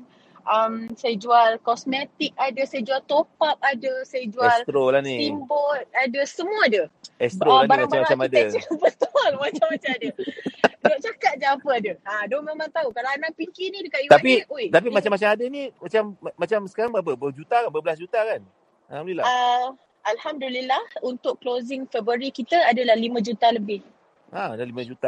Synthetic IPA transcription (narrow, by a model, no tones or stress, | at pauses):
ʔamsajad͡ʒualkɔsmet̪ik̚adasajad͡ʒualt̪opat̚adəsajad͡ʒuaslt̪ɾolahniimbɔt̪̚adəsəmuadəɛst̪ɾoaabaɾɾmaŋbt͡ʃamːaɾat͡ʃamadabəst̪ɔlmat͡ʃamːat͡ʃaŋadədot͡ʃakat̪̚d͡ʒaapəadəadomemãŋt̪aukalaanaʔpikinidəkaʔjut̪apiʔot̪ap̬imat͡ʃamat͡ʃamadənimat͡ʃamːat͡ʃamsə̥kaɾaŋbapəbəd͡ʒut̪akanbəbəlasd͡ʒut̪akan | ahamdlilaa | ʔalhamdulilahunt̪ʊʔklozɪŋfɛbɾəɾikit̪əadəlahlimə̃d͡ʒut̪aləbɪh | ʔaadalimə̃d͡ʒut̪a